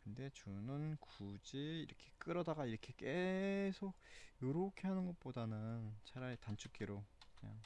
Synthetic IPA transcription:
kɯnde̞t͡ɕunɯnkud͡ʑiiɾʌkʰe̞k͈ɯɾʌdaɡaiɾʌkʰe̞k͈esʰoɡ̚joɾokʰe̞ɦanɯnɡʌt̚p͈odanɯnt͡ɕʰaɾaetant͡ɕʰuk͈iɾokɯɲa̰ŋ

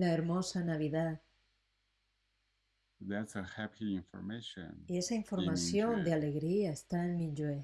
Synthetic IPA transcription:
laeɾmo̞sanaβ̞iðað | ðætsəhæpʰiɪ̃ɱfə̰ɹmeʃə̰̃nie̞saiɱfo̞ɾmasjo̞nd̪eale̞ɣɾiaest̪aenmĩd͡ʒwe

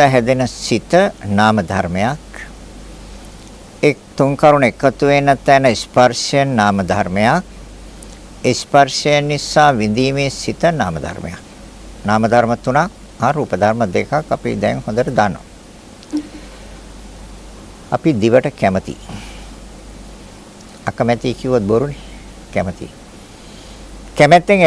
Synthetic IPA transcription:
əɦɛd̪enəsit̪ənaːməd̪ʱarmejak | ek̚t̪uŋkaɾunekːət̪uʋenːət̪ːæːnəisparsejənːaːməd̪ʱaɾmejak̚ | espaɾsejənːisaːʋind̪iːmeːsit̪ənaːməd̪ʱa̰rmḛja̰k̚ | naːməd̪ʱaɾmət̪ːunak̚ | aːɾuːpəd̪ʱaɾməd̪ekakːapḭd̪ɛŋhond̪əʈəd̪anːo̰ | a̰pid̪iʋəʈəkæmət̪ḭː | akəmɛt̪iːkiʋot̪̚boɾune | kæmət̪ḭ | kæmæt̪ːeŋ

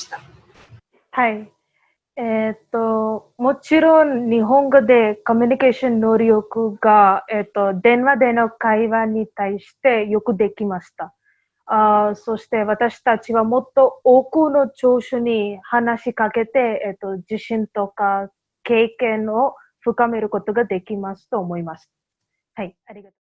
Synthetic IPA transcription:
haj | et̪o | mot͡ʃiɾonːiɦõŋɡod̪ekomjunikeʃonːoɾijokɯɡaet̪ːod̪enʋad̪enokajʋanit̪aiʃi̥t̪ejokɯd̪ekimast̪a | soɕt̪e̞ʋat̪aɕi̥t̪at͡ɕiʋamot̪ːo̞okɯno̞t͡ʃoːɕunihanaɕikake̞t̪e̞t̪ːod͡ʑiɕĩnt̪oka | keːkẽno | ɸɯkame̞ɾɯko̞t̪oɡad̪e̞kimasɨ̥t̪oːmoimast̪ḁ | haj | aɾiɡat̪o

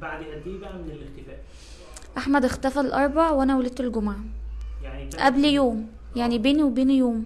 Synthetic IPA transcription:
baʕd̪ʔæd̪iːbmɪnelext̪ɪfæːʔ | ʔaħmæd̪ext̪æfælʔɑɾˤbaʕwʔænæwæled̪̚t̪elɡʊmaʕjaʔæbljoːm | jaʕnibeːniwebeːnjoːm

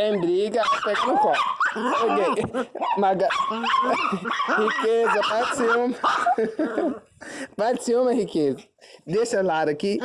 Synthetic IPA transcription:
ẽj̃bɾiɡɐpeɡanʊ̃pɔ̃okemaɡɐ | hikezɐpasiũmɐ | pasiũmɐhikezɐd̪eʃɐlaɾɐki

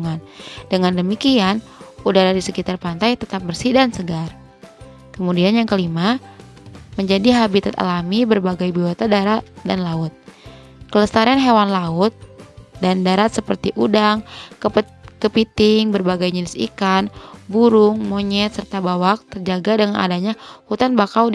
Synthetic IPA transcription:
uŋandəŋandəmikianudaɾadisəkit̪arpant̪ajt̪ət̪ap̚bərsidaŋsəɡar | kəmudianjaŋkəlima | məɲd͡ʒadiɦabit̪at̪a̰lamibərbaɡajbiwat̪adaɾat̪̚danlaʊt̪̚ | kələst̪aɾanɦewanlaʊt̪̚dandaɾat̪̚səpərt̪iʔudaŋ | kəpit̪ɪŋbərbaɡajɲənɪsḭkanbuɾʊŋmoɲɛt̪̚sərt̪abawak̚t̪ərd͡ʒaɡadəŋana̰daɲahut̪anbakaw

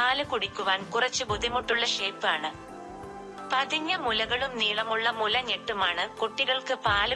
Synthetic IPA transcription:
aːlɨkuɽikʲːuʋaːnkurɐt͡ɕːɨbud̪ʱimuʈːuɭːɐʂe̞ːpːaːɳɨ | pɐðiɲːɐmulɐɣɐɭumniːɭɐmuɭːɐmulɐɲeʈːumaːɳɨkoʈːiɣɐɭkɨpaːlɨ

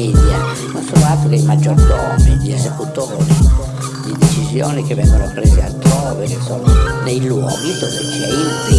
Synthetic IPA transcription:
iːd̪ja | nonsonoat̪ːokeimad͡ʒːɔrd̪ɔːmid̪iezekut̪oːɾi | d̪id̪et͡ʃizjoːnikevːɛŋɡonopɾeːsea̰lt̪ɾɔːvekesːoːnonejlwɔ̰ːɡisosikːɛ̰it̪i

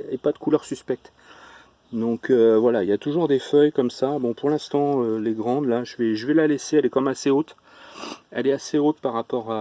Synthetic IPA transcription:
epad̪əkʰulœʁsyspɛk̚t̪ | d̪ɔ̃kʰøvwalailjat̪uʒuʁd̪efœjkɔmsabɔ̃puʁlɛ̃st̪ɑ̃øleɡʁɑ̃d̪laʒəvɛʒəvɛlaleseɛlɛkɑ̃mɛmaseot̪ | ɛ̰lɛaseot̪paʁapɔʁa

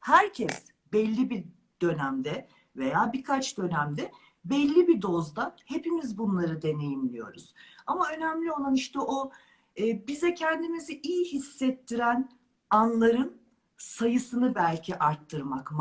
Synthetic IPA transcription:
hæɾcʰɛs | bɛlʲːibi | d̪̥ø̞næmd̪ɛ | ve̞jaːbikʰat͡ʃd̪ø̞næmd̪ɛ | bɛlʲːibid̪o̞zd̪ahe̞pimizbunlˠaɾɯd̪e̞ne̞jimlʲijo̞̰ɾuz̥amaø̞næmlʲio̞lˠaniʃt̪ɛʔoː | bizɛcʰɛnd̪imiziʔijihisːɛt̪ʰːiɾæn | anlˠaɾɯn | sajɯsɯnɯbælʲcʰiʔaɾt̪ʰːɯɾmakm

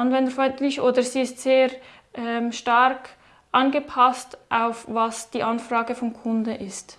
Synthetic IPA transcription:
ʔɑnvɛndəfɔntlɪçʔoːdəziːɪstz̥eːɾ | ʔɛmʃtaɾk | ʔɑnɡəpʰastʔaʊfvɑsd̥iːʔɑnfraːɡəfɔnkʰʊndəʔɪst

